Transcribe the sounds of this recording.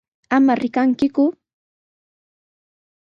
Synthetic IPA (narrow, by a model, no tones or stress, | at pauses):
amaɾɪkaŋkɪkʊ